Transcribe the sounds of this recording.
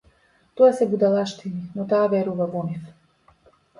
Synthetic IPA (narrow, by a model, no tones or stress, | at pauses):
t̪ɔasɛbud̪alˠaʃt̪ininɔt̪aːvɛɾuvavɔnif